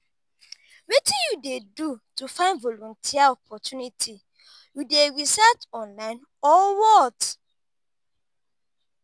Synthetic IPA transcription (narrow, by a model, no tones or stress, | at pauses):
wetĩjudedutufãɪ̃ndvɔlõntʰiaɔpʰɔtunitʰi | judeɾisatɔ̃nlãɪ̃n | ɔwɔt